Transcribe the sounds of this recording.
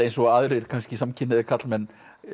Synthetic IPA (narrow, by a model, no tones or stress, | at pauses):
ejnsɔɣaðɾɪɾ̥kʰanscɪsamcʰɪnːɪðɪkʰat̪lmɛnː